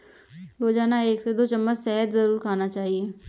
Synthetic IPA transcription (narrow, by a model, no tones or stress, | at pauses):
ɾoːd͡ʒaːnaeːksed̪oːt͡ʃɐmːət͡ʃsɛɦət̪zɐɾuːɾkʰaːnat͡ʃaːɦieː